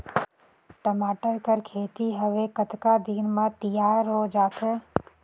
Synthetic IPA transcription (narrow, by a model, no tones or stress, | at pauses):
ʈəmaːʈəɾkəɾkʰeːt̪iɦəʋekət̪kad̪iːnmãt̪ijaːɾɦoːd͡ʒaːt̪ʰə